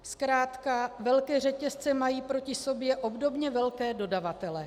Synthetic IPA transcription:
skɾaːt̪kavɛlkɛːr̝ɛcɛst͡sɛmajiːpɾo̞cɪso̞bjɛʔo̞bdo̞bɲɛvɛlkɛːdo̞davat̪ɛlɛ

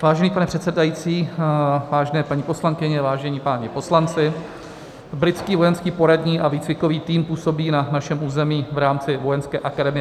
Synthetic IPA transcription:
vaːʒɛniːpanɛpr̝̥ɛt̪sɛdajit͡siːvaːʒɛnɛːpaɲipo̞slaŋkɪɲɛvaːʒɛɲiːpaːɲɛpo̞slant͡sɪ | bɾɪt̪t͡skiːvo̞jɛnskiːpo̞ɾadɲiːʔaviːt͡svɪko̞viːt̪iːmpuːso̞biːnanaʃɛmʔuːzɛmiːvɾaːmt͡sɪvo̞jɛnskɛ̰ːʔakadɛmɪɛ

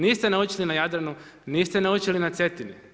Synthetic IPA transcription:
niːst̪enaut͡ʃilinajad̪ɾanu | niːst̪enaut͡ʃilinat̪se̞t̪ini

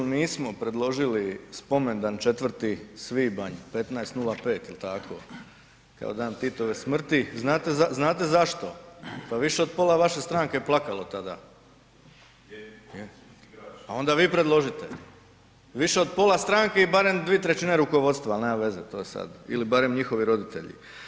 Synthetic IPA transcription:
niːsmo̞pɾe̞d̪lˠo̞ʒilispo̞me̞nd̪ant͡ʃe̞t̪ʋərt̪isʋiːbaɲpe̞t̪naest̪nulˠape̞ːt̪ilt̪akʰo̞̰ | ka̰od̪aːnt̪it̪o̞ʋesmr̩t̪iznaːt̪ezaznaːt̪̬e̞zaʃt̪o̞paʋiʃeo̞d̪̚po̞ːlˠaʋaʃe̞st̪ɾaŋkeplˠakalˠo̞t̪ad̪a̰ | ao̞nd̪aʋiːpɾed̪lˠo̞ʒit̪e | ʋiʃe̞o̞d̪po̞last̪ɾaːŋke̞ibaɾe̞md̪ʋiet̪ɾet͡ɕineɾukoʋo̞t̪st̪ʋalnemaʋe̞zet̪o̞ːjesa̰d̪ḭlibaɾemɲixo̞ʋiɾo̞d̪it̪e̞̰ʎḭ

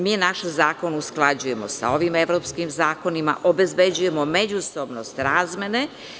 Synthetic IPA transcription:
miːnaʃzaːko̞nusklˠad͡ʑuje̞mo̞sa̰o̞ʋime̞ʋɾopskimzaːko̞nima̰ʔobe̞zbe̞d͡ʑuje̞mo̞med͡ʑuso̞bno̞st̪ɾaːzme̞ne

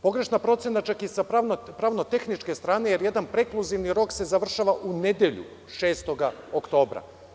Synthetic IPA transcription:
po̞ɡɾe̞ʃnapɾo̞t̪senat͡ʃakisapɾaːʋnot̪e̞xnit͡ʃke̞st̪ɾaːne̞jeɾje̞d̪anpɾe̞klˠuziʋniɾo̞kse̞zaʋr̩ʃaʋaʔune̞d̪je̞ʎṵ | ʃe̞ːst̪o̞ɡaokt̪o̞ːbɾa̰

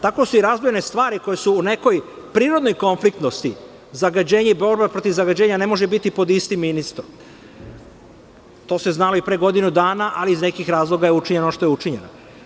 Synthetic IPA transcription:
t̪ako̞suiɾazbojenest̪ʋaːɾiko̞jesuːne̞ko̞j | pɾiːɾo̞d̪no̞jko̞nflikt̪no̞st̪i | zaɡad͡ʑe̞ːɲeibo̞ɾbepɾot̪iʋzaɡad͡ʑeːɲane̞mo̞ʒebit̪ipo̞d̪ist̪iminist̪o | t̪o̞ːseznaloipɾeːɡo̞d̪inud̪aːnaʔaliizne̞kixɾaːzlˠo̞ɡajeut͡ʃiɲenoʃt̪o̞jut͡ʃiɲe̞no

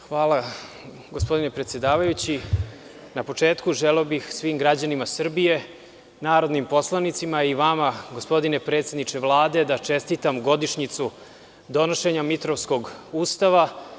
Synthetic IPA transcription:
xʋaːla | ɡospo̞d̪inepɾet̪sjed̪aːʋajut͡ɕi | napo̞t͡ʂe̞ːt̪kuʒeleobixsʋimɡɾad͡ʑanimasr̩bije̞ | naːɾo̞d̪nimpo̞slˠanit̪simaiʋamaɡo̞spo̞d̪inepɾe̞ːt̪sʲe̞d̪nit͡ʃevlˠaːd̪e̞d̪at͡ʂest̪it̪amɡo̞d̪iʃɲit̪su | d̪o̞no̞ʃe̞ɲamit̪ɾo̞ʋsko̞ɡuːst̪aʋa

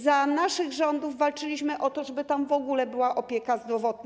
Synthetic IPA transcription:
zanaʂɘɣʐɔnd̪uvːalt͡ʂɘlʲiɕmɘʔɔt̪ɔʐɛbɘt̪amvɔɡulɛbɘwaʔɔpʲjɛkazd̪ɾɔvɔt̪̚n

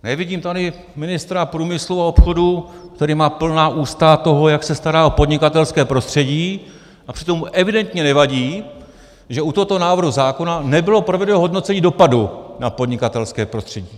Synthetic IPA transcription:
nɛvɪɟiːmt̪adɪ | mɪnɪst̪ɾapɾuːmɪsluao̞pxo̞dukt̪ɛɾiːmaːpl̩naːʔuːst̪at̪o̞ɦo̞jaksɛst̪aɾaːo̞po̞dɲɪkat̪ɛlskɛːpɾo̞st̪r̝̥ɛɟiː | ʔapr̥ɪt̪o̞mːuʔɛvɪdɛnt̪ɲɛnɛvaɟiː | ʒɛut̪oɦot̪onaːvrɦuzaːko̞nanɛbɪlo̞pɾovɛdɛɦo̞dno̞t͡sɛɲiːdo̞padunapo̞dɲɪkat̪ɛlskɛːpɾo̞st̪r̥ɛɟiː

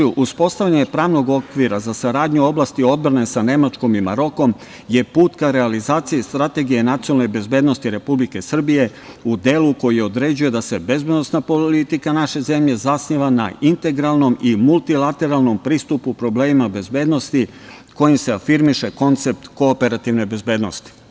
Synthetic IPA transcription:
uʔuspo̞st̪aʋʎaɲepɾaːʋno̞ɡo̞kʋiɾazasaɾaːd̪ɲuo̞blˠaːst̪io̞d̪̚bɾane̞sane̞mat͡ʃko̞mima̰ɾo̞ko̞m | je̞puːt̪kaɾe̞alizaːt̪sijest̪ɾat̪e̞ɡije̞nat̪sionalnebe̞zbe̞d̪no̞st̪iɾe̞publike̞sr̩bije̞ | ud̪e̞ːluko̞jijeo̞d̪ɾe̞d͡ʑuje̞d̪ase̞be̞zbe̞d̪nosnapo̞lit̪ikanaʃe̞ze̞mʎe̞zasɲiʋana̰int̪e̞ɡɾalˠno̞mimulˠt̪ilat̪e̞ɾalˠno̞mpɾiːst̪upupɾo̞ble̞ːmimabe̞zbe̞ːd̪no̞st̪i | ko̞jimse̞afiɾmiʃe̞ko̞nt̪se̞p̚t̪ko̞ːpe̞ɾat̪iʋne̞be̞zbe̞ːd̪no̞st̪i̥

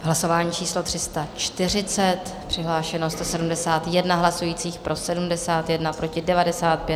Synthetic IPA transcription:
ɦlaso̞vaːɲiːt͡ʃiːslo̞t̪r̝̥ɪst̪at͡ʃt̪ɪr̝ɪt͡sɛt̪ | pr̥ɪɦlaːʃɛnost̪osɛdumdɛsaːt̪jɛdnaɦlasujiːt͡siːxpɾʔo̞sɛdumdɛsaːt̪jɛdnapɾo̞cɪdɛvadɛsaːt̪̚pjɛt̪

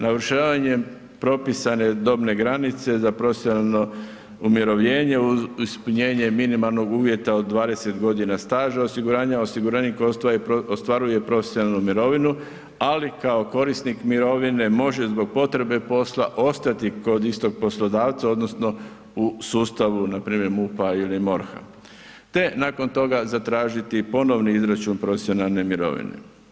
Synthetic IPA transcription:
naʋɾ̩ʃaːʋaɲe̞m | pɾo̞pisane̞d̪o̞bne̞ɡɾanit̪se̞zapɾofesno | umjeɾoʋʎe̞ːɲe̞uispuɲe̞ːɲe̞minimalˠno̞ɡuːʋje̞t̪aod̪ːʋaːd̪e̞se̞t̪ɡo̞d̪inast̪aːʒaosiɡuɾaːɲaosiɡuɾaːnikoaost̪ʋaɾuje̞pɾo̞fesʲjonalnumiɾo̞ʋinu | alikao̞ko̞ɾisnikmiɾo̞ʋine̞mo̞ʒe̞zbo̞ɡ̚po̞t̪ɾe̞be̞po̞slaʔo̞st̪at̪iko̞d̪ist̪o̞ɡ̚po̞slo̞d̪aːʋt̪sao̞d̪no̞sno̞ | usuːst̪aʋunapɾiːmje̞ɾmupailimo̞ɾxa̰ | t̪e̞naːko̞nt̪o̞ɡazat̪ɾaːʒit̪ipo̞no̞ʋniizɾat͡ʃuːnpɾo̞fesio̞nalˠne̞miɾo̰ʋḭnḛ

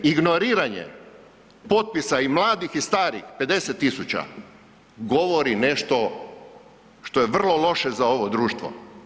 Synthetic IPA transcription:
iɡnoɾiːɾaɲḛ | po̞t̪̚pisaimlˠaːd̪ixist̪aːɾḭxpe̞d̪e̞set̪ːisut͡ɕa̰ | ɡo̞ʋo̞ɾine̞ʃt̪o̞ | ʃt̪o̞jeʋr̩lˠo̞lo̞ʃezao̞ʋod̪ɾuːʃt̪ʋo̰

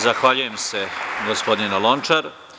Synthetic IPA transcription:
zaxʋaːʎuje̞mse̞ɡospo̞d̪nʲinalˠont͡ʂaɾ

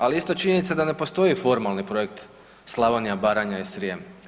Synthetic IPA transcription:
aliist̪o̞t͡ʃiɲenit̪sed̪ane̞po̞st̪o̞ifo̞ɾmalˠnipɾo̞je̞kt̪ | slˠaʋanjabaɾaɲaisɾijem

